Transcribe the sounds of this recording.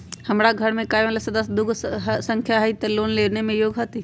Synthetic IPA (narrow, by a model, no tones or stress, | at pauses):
hɐmɾaɡʱɐɾmẽkaːjʋəlesɐd̪əsd̪ʊɡʱɦsɐ̃ŋkʰjaɦit̪ɐloːnleːʋnemẽjoːɡɦɐt̪i